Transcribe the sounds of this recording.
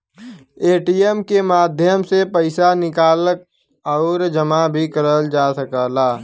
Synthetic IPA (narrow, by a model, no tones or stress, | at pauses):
eːʈiːjemkemaːd̪ʱjəmsepəɪsanɪkaːlək̚ | ɔːɾd͡ʒəmabʱikəɾəld͡ʒaːsəkəːlaː